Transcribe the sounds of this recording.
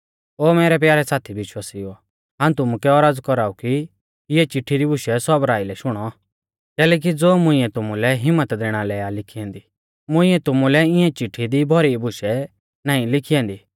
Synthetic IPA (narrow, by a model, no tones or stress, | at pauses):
oːmɛːɾɛp̬jaːɾɛsaːt̪ʰibɪʃwaːsiɔ | ɦãːũt̪ʊmukɛɔɾaːd͡zkɔɾaːuki | ɪɛt͡ʃɪʈʰːiɾibʱʊʃɛsɔbɾaːilɛʃʊɽ̃ɔ | kɛːlɛːk̬id͡zoːmʊ̃ɪ̃ɛ̃t̪ʊmũlɛɦɪmːət̪d̪eːɽ̃alɛːalɪkʰiɛ̃ːnd̪i | mʊ̃ɪ̃ɛ̃t̪ʊmulɛɪ̃ɛ̃t͡ʃɪʈʰːid̪ibʱɔɾibʱʊʃɛ | naːĩlɪkʰiãːnd̪iː